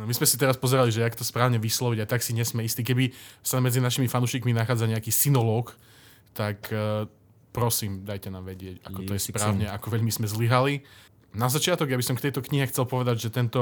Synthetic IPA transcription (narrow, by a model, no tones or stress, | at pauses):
mizmɛsit̪ɛɾaspɔzɛɾaliʒɛakt̪ɔspɾaːʊɲɛʋislɔʋiɟajt̪aksiɲɛsmɛist̪iːkɛbisamɛd͡zinaʃimifanuːʃikminaxaːd͡zaɲɛakiːsinɔlɔːk | t̪ak | pɾɔsiːmd̪ajcɛnaːmʋɛɟɪɛca̰kɔt̪ɔjɛspɾaːʊɲɛakɔʋɛʎmizmɛzliɦali | nazat͡ʃɪat̪ɔɡjabisɔmkt̪ɛjt̪ɔkɲiɦɛxt͡sɛlpɔʋɛd̪aɟʒɛt̪ɛnt̪ɔ